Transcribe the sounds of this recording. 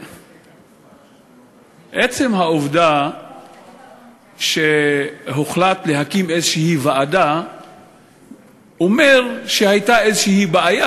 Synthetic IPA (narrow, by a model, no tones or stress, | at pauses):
ʔet͡se̞mɦaovd̪a | ʃeɦoχlat̪leɦakimezʃihivaːd̪a | omeʁʃehajt̪aezeʃihibaaja